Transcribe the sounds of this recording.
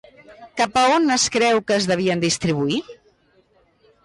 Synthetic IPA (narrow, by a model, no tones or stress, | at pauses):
kapəonəskɾɛwkəːzðəβ̞iənd̪ist̪ɾiβ̞ui